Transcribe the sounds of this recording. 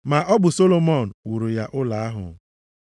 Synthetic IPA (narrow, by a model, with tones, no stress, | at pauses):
ma˨ʔɔ˦bʊ˨so˦lo˨mɔ˦˨n̩˨wu˨ɾu˨ja˦ʔʊ˦la˨a˦ɦʊ̰˨˦